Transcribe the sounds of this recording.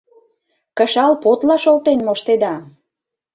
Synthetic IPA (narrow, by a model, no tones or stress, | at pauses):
kəʃɑlpot̪lɑʃolt̪enmoʃt̪ed̪ɑ